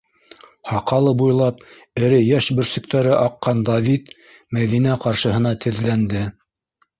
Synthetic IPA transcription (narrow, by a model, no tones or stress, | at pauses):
hɑqɑlˠɤbujlˠɑp̚ɘ̆ɾɘjæʃbɵ̆ɾsɵ̆k̚t̪æɾɘʔɑqːɑnd̪avʲit̪ | mæðinæqɑɾʃɤ̆ɦɤ̆nɑt̪ʰɘ̆ðlænd̪ɘ